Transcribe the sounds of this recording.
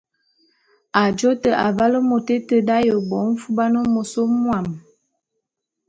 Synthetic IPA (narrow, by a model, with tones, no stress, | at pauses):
a˨d͡ʒo˦tə˨ʔa˨ba˦lə˦mo˨te˦tə˦da˦jə˨bɔ˨˦n̩˦fu˦ba˦nə˦mo˨so˦mwa˨m